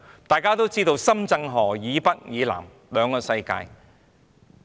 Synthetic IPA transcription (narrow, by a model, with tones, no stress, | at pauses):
t̪aː˨jkaː˥t̪o˥wt͡siː˥t̪o˧wsɐ˥mt͡sɐ˧ŋɦɔː˨˩jiː˨˧pɐ˥t̚jiː˨˧la̰ː˨˩m | lœː˨˧ŋkɔː˧sɐ˧jka̰ː˧j